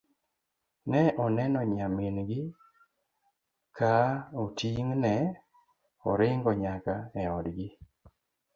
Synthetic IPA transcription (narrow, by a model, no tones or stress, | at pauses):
nɛʔɔnɛnɔɲaminɡɪ | kaotiŋnɛ | ɔ̰ɾɪŋɡɔɲakaɛɔdɡɪ